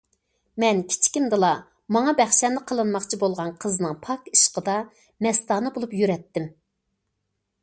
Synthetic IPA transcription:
mɛnkʲʰi̥t͡ʃʰkʲind̪ɨlˠɑ | mɑŋɑbæχʃɛnːɨqʰəlˠɨnmɑχt͡ʃʰibolˠʁɑnqʰəzɨnɨŋpʰɑki̥ʃqəd̪ɑ | mɛst̪ɑːnɨbolˠupjyɾɛt̪ːɪm

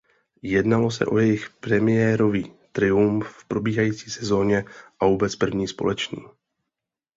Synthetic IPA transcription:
jɛdnalo̞sɛ̰ʔo̞jɛjɪxpɾɛmɪjɛɾo̞viːt̪ɾɪuɱffpɾo̞biːɦajiːt͡siːsɛzo̞ːɲɛʔavoːbɛt͡spr̩vɲiːspo̞̰lɛt͡ʃnḭː

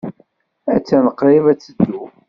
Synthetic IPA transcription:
æt͡sːænəqɾˤivæt͡sːəd̪ːu

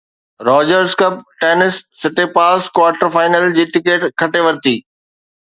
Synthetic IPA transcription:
ɾɔːd͡ʑəɾzkɐp̚ʈeːnɪsːɪʈepaːskwaːɾʈəɾfaːɪnəld͡ʑiːʈɪkeːʈkʰɐʈeʋɐɾɪt̪iː

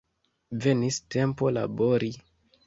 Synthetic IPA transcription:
ve̞niste̞mpo̞la̰bo̞ɾi

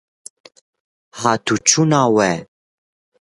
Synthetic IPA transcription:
hat̪ʰut͡ʃʰunawɛ

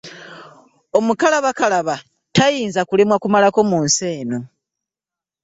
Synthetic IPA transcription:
o̞mukalaβakalaβa | tajiːnzakule̞mwakumalako̞muːnse̞ːno

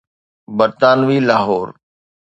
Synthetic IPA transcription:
bəɾt̪aːnʋiːlaːɦoːɾ

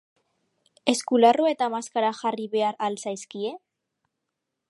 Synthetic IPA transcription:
e̞skularoe̞t̪amaskaɾaʝariβe̞aɾalsajskie̞

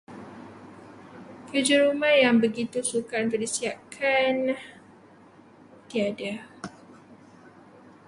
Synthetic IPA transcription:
kəd͡ʒaɾumahjaŋbəɡit̪usukant̪udisiakʰan | t̪iada

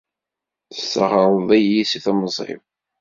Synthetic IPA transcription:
θə̥sːə̰ʁəɾˤðˤæjːisiθæməzˤḭv

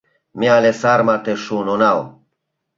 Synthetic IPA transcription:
mialesaɾmat̪eʃunonaw

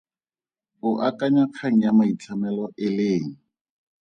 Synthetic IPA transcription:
ʊʔakʼaɲaq͡χʰaŋ̩jamait͡ɬʰamɛlɔʔɪleːŋ̩

